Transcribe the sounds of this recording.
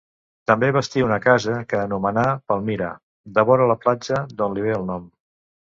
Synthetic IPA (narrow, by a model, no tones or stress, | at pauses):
t̪əmbeβəst̪iunəkazəkəːnumənapəlˠmiɾa̰ | d̪əβɔɾələplad͡ʒəd̪onliβ̞eəlˠnɔm